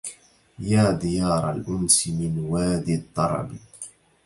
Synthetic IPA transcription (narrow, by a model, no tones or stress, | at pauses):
jaːd̪ɪjɑːɾˤa̰lʔʊnsɪmɪnwaːd̪ɪt̪ˤːɑɾˤɑ̰b